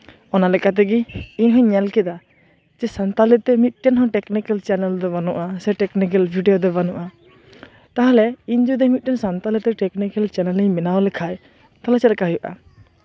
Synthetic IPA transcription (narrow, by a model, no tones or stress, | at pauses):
ɔnalɛkat̪̬ɛɡiːɲɦɔ̃ɲɛlkɛd̪a | d͡ʒɛsant̪alɛt̪ɛmit̪̚ˀʈɛnɦɔ̃ʈɛknikɛlt͡ʃɛnɛld̪ɔbanɔʔasɛʈɛknikɛlbʱiɖijɔd̪ɔbanuʔa | t̪aɦalɛiɲd͡ʒud̪ɛmit̪̚ʈɛnsant̪alɛt̪ɛʈɛknikɛlt͡ʃɛnɛliɲmɛnawlɛkʰaj | t̪alat͡ʃɛlɛkaɦujuʔa̰